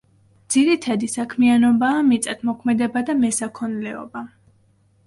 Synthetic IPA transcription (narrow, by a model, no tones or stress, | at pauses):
d̪z̥iɾit̪ʰad̪isakʰmianɔbaːmit̪sʼat̪ʰmɔkʰmɛd̪ɛbad̪amɛsakʰɔnlɛɔ̰ba